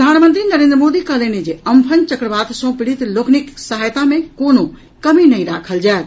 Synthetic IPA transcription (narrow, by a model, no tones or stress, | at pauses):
pɾəd̪ʱanmənt̪ɾinəɾẽnd̪ɾəmod̪ikəɦlened͡ʒeəmpʰənt͡ʃəkɾəbat̪sə̃piɽit̪lokniksəɦajt̪amekono | kəminəiɾakʰəld͡ʒaet̪̚